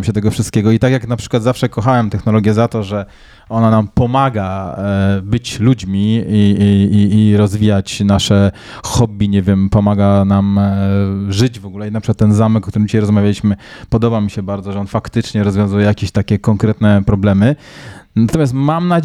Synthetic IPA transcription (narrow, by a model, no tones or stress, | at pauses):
mɕɛt̪ɛɡɔfʂɨst̪̚kʲeɡɔit̪akjaknapʂɘ̥kwad̪zafʂɛkɔxawɛmt̪ɛxnɔlɔɡʲjɛzat̪ɔʐɛ | ɔnanampɔmaɡa | bɘt͡ɕlud͡ʑmʲiiː | ɾɔzvʲijat͡ɕnaʂɛ | xɔbʲiɲɛvʲjɛmpɔmaɡanam | ʐɘd͡ʑvɔɡulɛinapʂɘ̥kwat̪ːɛnzamɛkɔkt̪uɾɘmd͡ʑiɕajɾɔzmavʲjalʲiɕmɘpɔd̪ɔbamʲiɕɛbaɾd̪ɔʐɛɔnfakt̪ɘt͡ʂɲɛɾɔzvjɔ̃zujɛjakʲeɕt̪akʲɛkɔŋkɾɛt̪nɛpɾɔblɛmɘnat̪ɔmʲjas̬t̪mamnad͡ʑ